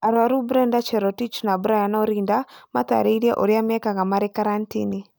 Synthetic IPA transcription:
aɾwaɾubɾɛndat͡ʃɛɾɔtit͡ʃnabuɾajanaɔɾindama̰ta̰ɾeiɾia̰ʔoɾiamakaŋɡamaɾekaɾantḭni

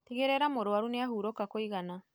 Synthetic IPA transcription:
tiɣeɾɛɾamoɾowaɾuneaɦuːɾokakoiɣana

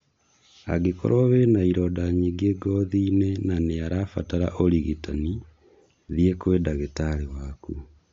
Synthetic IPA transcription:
aɡeko̰ɾoβenaiɾɔdaɲiɡeɡɔðiːnenaneaɾafataɾa̰ʔoliɣitani | ðiekweːdaɣetaɾewakṵ

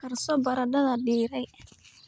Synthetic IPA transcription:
kʰɐrsɔbɐɾɐɖɐðɐɖiːɾɛj

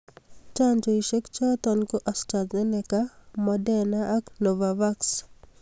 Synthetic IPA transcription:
t͡ʃand͡ʒoiʃekt͡ʃat̪ɔnkoʔastazenɛkamɔdɛnaʔːknovavaks

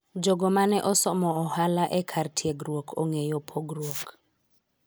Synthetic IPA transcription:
d͡ʒoɡɔmanɛʔɔsɔmɔɔhalaʔɛkʰartʰieɡɾwokʰo̰ŋejopʰoɡɾwok

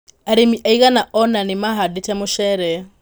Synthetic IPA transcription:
aɾemiaiɣanaʔɔnanemaɦadetɛmoʃɛɾɛ

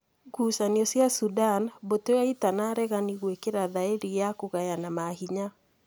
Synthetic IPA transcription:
ɡuːsaniɔsjasudanboteaitanaɾɛɣaniɣwekeɾaðaeɾijakuɣajanamahiɲa

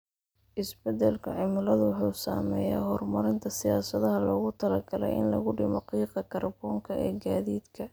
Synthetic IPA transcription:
ʔɪsbɛd̪ɛlkʰɐʕɪmʊlɐðʊwʊħuːsa̰ːmɛːja̰ːhɔrmɐɾɪnt̪ʰɐsɪjaːsɐðɐɦɐlɔːɣʊt̪ʰɐlɐɡɐlɛ̰jɪ̰nlɐɣʊɖɪmɔqiːqɑkʰɐrbɔːŋkʰɐʔɛːɡaːðiːd̪kʰɐ

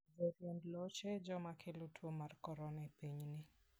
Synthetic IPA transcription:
d͡ʒɔɾjɛndlɔt͡ʃɛd͡ʒɔmakʰɪlutʰwɔmarkɔɾɔnɛpiɲnɪ

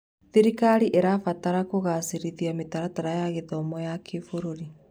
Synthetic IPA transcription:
ðiɾikaɾiʔeɾafataɾakoɣasiɾiðiametaɾataɾajaɣeðɔmɔjakʰefoɾoɾi

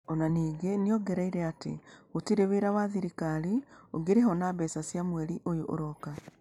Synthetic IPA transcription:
ɔnaniːɡeniɔɡɛɾaiɾɛatḛotiɾeweɾawaðiɾikaɾioɡeɾeɦɔnaβɛsasjamwɛɾiʔojoʔo̰ɾɔka

